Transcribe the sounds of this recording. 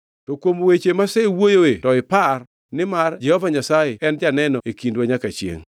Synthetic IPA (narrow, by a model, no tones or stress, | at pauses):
tɔkwomwet͡ʃemasɛwojoetɔɪpar | nɪmard͡ʒɛhɔvaɲasajɪɛnd͡ʒanɛnɔekindwaɲakat͡ʃjḛŋ